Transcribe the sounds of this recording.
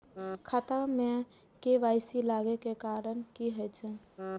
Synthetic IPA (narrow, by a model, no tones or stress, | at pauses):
kʰat̪amẽ | keʋaːɪsilaːɡekekaːɾənkiɦət͡ʃʰɛ